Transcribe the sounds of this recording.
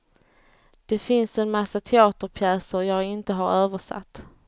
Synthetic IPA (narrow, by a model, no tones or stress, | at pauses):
d̪̥ɛfɪnsɛnmasːat̪ʰɛɑːt̪əɾpʰjɛːsəɾjɑːɡɪnt̪əɦaɾøːvəʂa̰t̪ː